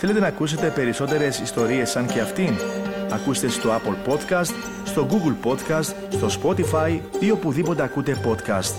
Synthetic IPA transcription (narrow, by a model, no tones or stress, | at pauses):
θele̞t̪̬e̞nɐːkuse̞t̪e̞pe̞ɾiso̞t̪e̞ɾe̞sist̪o̞ɾie̞sːɐɲce̞ɐft̪inɐkust̪e̞st̪o̞ɐpolpo̞t̪kɐst̪ | st̪o̞ɡuɡlpo̞t̪kɐst̪ | st̪o̞spo̞t̪ifɐjio̞puðipo̞t̪e̞ɐkut̪e̞po̞t̪kɐ̰st̪